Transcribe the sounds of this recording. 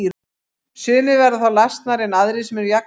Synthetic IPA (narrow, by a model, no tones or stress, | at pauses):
sʏːnɪvɛɾðaθawlajst̪naɾɛnaðɾɪsɛmɛɾjak